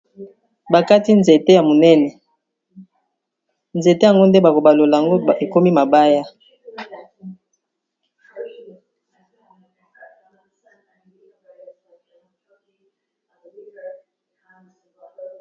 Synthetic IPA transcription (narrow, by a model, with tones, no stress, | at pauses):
ba˨ka˦ti˦nze˨te˦ja˨mo˨nɛ˦nɛ˨ | nze˨te˦ja˨ŋɡo˦nde˦ba˨ko˨ba˨lo˨la˨ja˨ŋɡo˦e˨ko˦mi˦ma˨ba˦ja˦